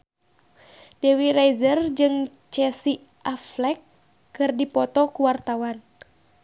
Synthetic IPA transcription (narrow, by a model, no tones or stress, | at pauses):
dɛwiɾajzərd͡ʒɨŋ | t͡ʃɛsi | ʔaflɛkː | ɨrdipɔt̪ɔkuwart̪awan